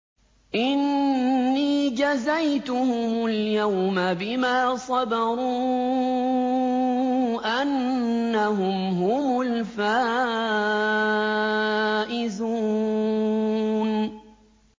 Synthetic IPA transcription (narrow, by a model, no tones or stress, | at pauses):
ʔɪnː | iːd͡ʒazajt̪ʊhʊmʊljawmabɪmaːsˤɑbɑɾuː | ʔanːaɦʊmɦʊmʊlfaː | ʔɪzuː | n